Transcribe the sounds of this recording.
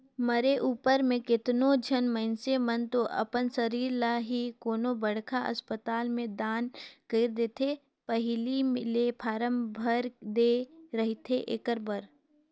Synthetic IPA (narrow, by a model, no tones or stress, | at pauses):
məɾeʔuːpəɾmẽkɪt̪nõd͡ʒʱənməɪnsemənt̪oʔɐ̰pənsəɾiːɾlaɦikoːnobəɽ̤kʰaʔɐ̰spət̪aːlmẽd̪aːnkəːɾd̪eːt̪ʰe | pəɦlimɪlepʰaːɾə̃mbʱəɾd̪eɾɐɦit̪ʰeʔɪ̰kəɾbəɾ